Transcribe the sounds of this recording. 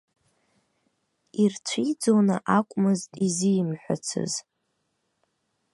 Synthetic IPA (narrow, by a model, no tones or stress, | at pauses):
irt͡ɕʷʰid͡zonɨ̰ʔakʷʼmɨztʼizijmħʷᶣa̰t͡sʰɨ̰z̥